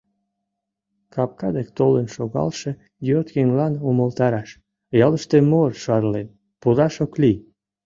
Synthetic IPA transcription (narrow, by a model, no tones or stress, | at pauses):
kɑp̚kɑd̪ek̚t̪olənʃoɣɑ̰lʃĕ | jot̪ɣeŋlɑnuməlt̪ɑɾɑʃ | jɑləʃt̪emorʃɑrlen | pud̪ɑʃokli